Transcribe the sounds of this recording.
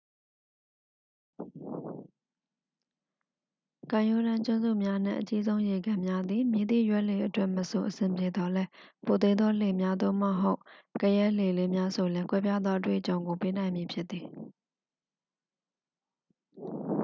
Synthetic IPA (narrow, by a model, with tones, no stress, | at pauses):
kã˨jo˦˨ɾã˦t͡ɕʊ̃˦nzṵ˦˨mja˦n̥ɪ̰̃˦˨ʔə˨t͡ɕi˦zõ˦ʊ̃je˨ɡã˨mja˦d̪ði˨mji˨d̪ḭ˦˨jwɛ˦ʔle˨ʔətwɛ˦ʔməso˨ʔəsɪ̃˨mpje˨d̪ɔ˨lɛ˦po˨t̪e˦d̪ðɔ˦le˨mja˦d̪o̰˦˨mə˨ɦo˦ʊʔkə˨jɛ˦le˨le˦mja˦so˨lɛ˦kwɛ˦pja˦d̪ðwɔ˦ʔə˦t̬wḛ˦˨ʔət͡ɕõ˨ʊ̃ŋɡo˨pe˦nã˨ɪ̃mji˨pʰjɪ˦t̪̚t̪ːi˨